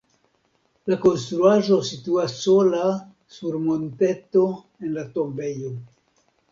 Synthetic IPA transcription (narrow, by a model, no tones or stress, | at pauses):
lako̞nst̪ɾuaʒo̞situasːo̞la | suɾmo̞nte̞to̞ | e̞nlato̞mbe̞jo̞